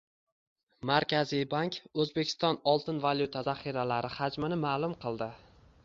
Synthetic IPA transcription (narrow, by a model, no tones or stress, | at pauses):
maɾkʲʰazijbaŋkɵzbe̞kʲʰɪst̪ɒnɒlˠt̪ʰɪnvalʲjut̪ʰazaχiɾalaɾɪhad͡ʒmɪnɪmaːlˠʊmqʰɨlˠd̪ɪ